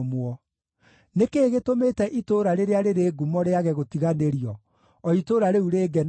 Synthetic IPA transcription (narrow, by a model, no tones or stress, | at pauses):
mwɔ | nekeːɣetometɛʔitoɾaɾeɾeaɾeɾeːɡumɔɾeaɣɛɣotiɣaneɾiɔ | ɔitoɾaɾeuɾeːɡɛn